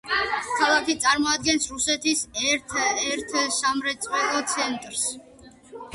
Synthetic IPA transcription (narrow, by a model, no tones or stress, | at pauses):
kʰalˠakit̪sʼaɾmɔad̪̚ɡɛnsɾusɛt̪ʰisɛɾt̪ʰɛɾt̪ʰsamɾɛt̪sʼvwɛlˠɔt̪sʰɛnt̪ʼɾs